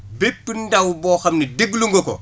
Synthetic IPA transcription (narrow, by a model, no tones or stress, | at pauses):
bepːindawboːxɐmnidiɡluŋɡoko̰